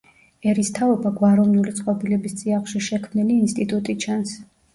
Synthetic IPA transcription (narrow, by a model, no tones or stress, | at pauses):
ɛɾist̪ʰaɔbaɡwaɾɔnulit̪sʼqʼɔbilɛbist̪sʼiaχʃiʃɛkʰmniliːnst̪ʼit̪ʼut̪ʼit͡ʃʰans